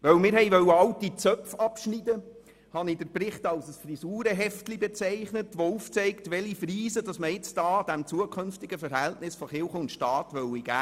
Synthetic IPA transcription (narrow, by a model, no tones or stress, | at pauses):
ʋœwmɪːɾhɛɪʋœwəɑltit͡sœpfɑpʃnidə | hɑnidəɾpɾɪχtɑlsəsfrisuːɾəɦɛftlibɛt͡sɛɪχnətʋouːft͡sɛɪktʋɛlifriːzədɑsməjɪt͡sd̥ɑːd̥ɛmt͡suəkʰʏnftɪɡəfəɾhɛltnɪsfɔχɪlχəʊntʃtɑːtʋœwiɡ̥æː